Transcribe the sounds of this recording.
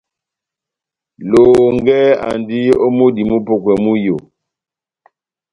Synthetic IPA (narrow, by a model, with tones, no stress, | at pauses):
lo˨ŋɡɛ˦a̰˨ndi˦o˦mu˦di˨mu˦po˨kwɛ˨mu˦jo˨